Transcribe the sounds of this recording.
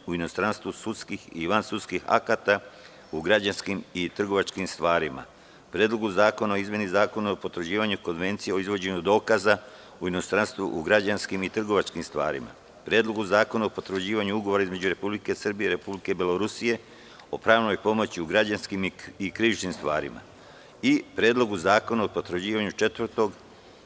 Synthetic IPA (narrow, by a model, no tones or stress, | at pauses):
uino̞st̪ɾanst̪ʋusut̪skixiʋansut̪skixa̰kat̪a | uɡɾad͡ʑanskimit̪r̩ɡo̞ʋat͡ʃkimst̪ʋaːɾima̰ | pɾeːd̪lˠo̞ɡuzaːko̞naoizme̞nizaːko̞naopo̞t̪ɾod͡ʑiːʋaɲuko̞nʋe̞nt̪sije̞o̞izʋo̞d͡ʑe̞ɲud̪o̞ːkaza | uino̞st̪ɾanst̪ʋṵʔuɡɾad͡ʑanskimit̪r̩ɡo̞ʋat͡ʃkimst̪ʋa̰ːɾḭma̰ | pɾjeːd̪lo̞ɡuzaːko̞naopo̞t̪ɾed͡ʑiːʋaɲuuɡo̞ʋoɾaizme̞d͡ʑuɾe̞publike̞sr̩bijeiɾe̞publike̞beloɾusije̞ | o̞pɾaːʋno̞jpo̞mo̞t͡ɕiuɡɾad͡ʑanskimikɾiʋit͡ʃnimst̪ʋa̰ːɾḭma̰ | ipɾe̞ːd̪lˠo̞ɡuzaːko̞naopo̞t̪ɾed͡ʑiːʋaɲut͡ʃe̞t̪ʋrt̪o̞ɡ